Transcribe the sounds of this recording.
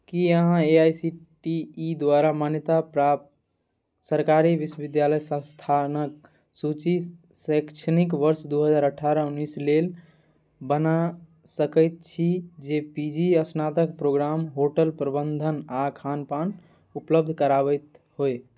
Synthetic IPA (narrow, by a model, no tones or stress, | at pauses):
kiəɦãeajsiʈiːd̪waɾamanjət̪apɾap̪ | səɾkaɾiʋiswəʋid̪jaləjsə̃st̪ʰanək̚ | sut͡ʃisəkt͡ʃʰənikʋəɾsd̪uɦəd͡ʒaːɾəʈʰaɾəunːislel | bəna | səkəjt̪̚t͡ʃʰid͡ʒepid͡ʒiəsnat̪ək̚pɾoɡɾamɦoʈəlpɾəbənd̪ʱənakʰanpan | upləb̚d̪ʱkəɾaβəjt̪ɦoe